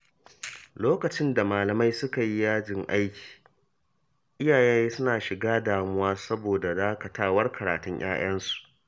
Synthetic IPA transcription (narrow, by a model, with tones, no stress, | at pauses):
loː˦kɐ˨t͡ʃɪ˦nda˨maː˨lɐ˨ma˦jsʊ˦ka˨ji˦jaː˦d͡ʒɪ˨ŋʔa˦jkʲʰi̥ː˨ | ʔɪ˦jaː˨jɛ˦jeː˦sʊ˦naː˨ʃɪ˨ɡaː˦daː˨mʊ˦waː˦sɐ˦boː˨da˨zaː˦ka˨taː˦wɐ˦rkɐ˨ɾa̰ː˨tʊ˦ɲjʔa̰ː˦j̰ɐ˦nsu̥˨ʔ